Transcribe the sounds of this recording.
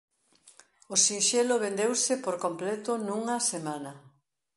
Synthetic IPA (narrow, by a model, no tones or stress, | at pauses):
ʊsinʃɛloβend̪ewsɪpoɾkomplɛt̪ʊnuŋɐsemanɐ